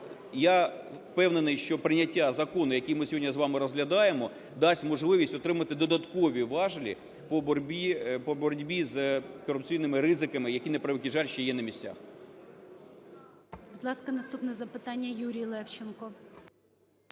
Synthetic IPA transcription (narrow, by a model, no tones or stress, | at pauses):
ja | pɛwnenɪjʃt͡ʃɔpɾɪnʲɐtʲːazɐkɔnʊjɐkʲijmɪsʲɦɔdʲnʲɐzʋɑmɪɾɔzɦlʲɐd̪ɑjemɔ | d̪ɑsʲtʲmɔʒlˠɪʋʲisʲtʲɔt̪ɾɪmɐt̪ɪd̪ɔd̪ɐt̪kɔʋʲiʋɑʒlʲḭ | pɔbɔɾʲbʲipɔbɔɾdʲbʲizkɔɾʊp̚t͡sʲijnɪmɪɾɪzɪkɐmɪjɐkʲinɛpɾeʋɪkʲiʒɑlʲʃɛjɛnɐmʲisʲt͡sʲa̰x | bʊd̪lˠɑskɐnɐst̪upnɛzɐpɪt̪ɑnʲːɐjuɾʲijlˠɛwt͡ʃenkɔ